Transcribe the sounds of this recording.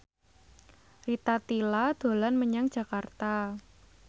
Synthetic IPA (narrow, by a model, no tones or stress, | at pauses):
rit̪at̪ilad̪̥o̤lanməɲaŋ̥d͡ʒ̥ä̤kart̪a